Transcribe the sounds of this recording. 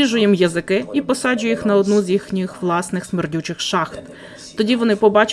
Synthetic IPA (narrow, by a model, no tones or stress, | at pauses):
iʒʊjimjɐzɪkɪipɔsɑd͡ʒʊjixnɐɔd̪nuzʲjixnʲxʋlˠɑsnɪxsmerdʲut͡ʃɪxʃɑxt̪ː | ɔdʲiʋɔnɪpɔbɑt͡ʃ